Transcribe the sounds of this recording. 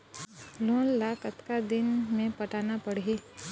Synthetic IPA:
lõːnlaːkət̪kad̪ɪnmẽpɐʈaːnapɐɽieː

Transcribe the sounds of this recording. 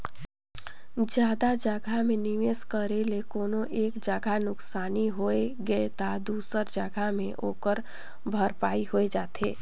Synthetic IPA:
d͡ʒjaːd̪ad͡ʒəɡʱamẽniʋeːskəɾelekoːnoʔeːkd͡ʒəɡʱanʊksaːniɦoeɡəet̪ad̪uːsəɾd͡ʒəɡʱamẽʔoːkəɾ | bʱəɾpaːiɦoed͡ʒaːt̪ʰeː

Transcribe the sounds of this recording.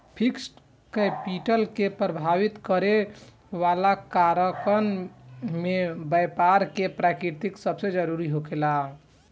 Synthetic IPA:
pʰiksʈ | kepiʈəlkepɾəbʱaʋit̪kəɾe | ʋalakaɾəkən | mebəjpaɾkepɾakɾiɾt̪iksəbsed͡ʒəɾuɾiɦokela

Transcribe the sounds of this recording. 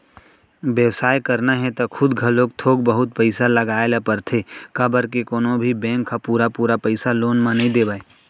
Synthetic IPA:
ʋjəʋsaːjkɐɾnaɦɛt̪okʰʊd̪ɡʱəloːɡ̚t̪ʰoːɡ̚bɐɦʊt̪̚pəɪsalɐɡaːelapɐɾt̪ʰekabəɾkekoːnõbʱibɛ̃ːŋkʰːapuːɾapuːɾapɛɪsaloːnmãnɐɦĩd̪eːbaːeː

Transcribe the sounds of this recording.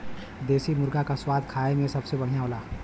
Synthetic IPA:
d̪eːsimʊɾɡakaswaːd̪kʰaːemẽsɐbsebɐɽ̤ijaɦoːlaː

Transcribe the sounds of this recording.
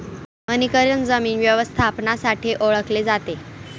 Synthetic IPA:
ənikəɾjənd͡zəmiːnʋjəʋəst̪ʰapnasaʈʰiʔoɭəkled͡zat̪e

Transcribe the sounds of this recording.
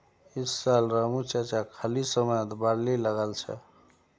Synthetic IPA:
isːalɾamut͡ʃat͡ʃakʰalisəməjt̪baɽliləɡəlt͡ʃʰɛ̰

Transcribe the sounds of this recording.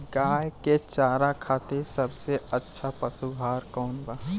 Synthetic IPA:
ɡaːjket͡ʃaːɾakʰaːt̪esɐbseətːʃʰapɐsubʱaːɾkɔːnbaː

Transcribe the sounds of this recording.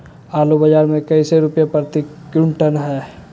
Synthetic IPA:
aːlubəd͡ʒaːɾmẽkəɪseɾʊpjapəɾt̪ikjuɳʈənɦɛː

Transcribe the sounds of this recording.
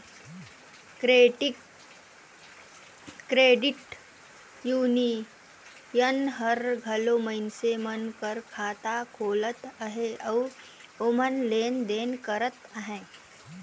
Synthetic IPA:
kɾeːʈɪk | ɾeːɖɪʈ | juːni | jənɦəɾɡʱɐloməɪnsemənkəɾkʰaːt̪akʰoːlət̪əɦeɐː | omənleːnd̪eːnkəɾət̪əɦɛ̃ː

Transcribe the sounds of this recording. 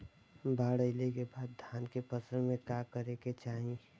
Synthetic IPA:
bʱaːɽəɪlekebaːd̪̚d̪ʱaːnkepəsəɾmẽkakəɾeket͡ʃaːɦĩ

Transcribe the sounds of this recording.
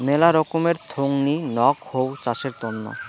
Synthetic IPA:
melaɾɔkomeɾt̪ʰoŋninɔkhowt͡ɕaʃeɾt̪onːo̰

